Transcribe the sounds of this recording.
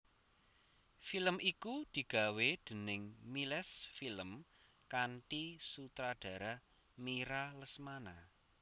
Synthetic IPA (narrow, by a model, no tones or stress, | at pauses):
filəmʔikud̪̥i̤ɡ̥a̤wed̪̥ə̤nɪŋmilɛsfiləm | kanʈisut̪ɾaɖ̥ä̤ɾa | miɾaləsmana